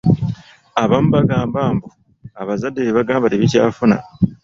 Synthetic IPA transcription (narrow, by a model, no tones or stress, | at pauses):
aβamuβaɡaːmbaːmbu | aβazadːeβeβaɡaːmbateβica̰ːfuna̰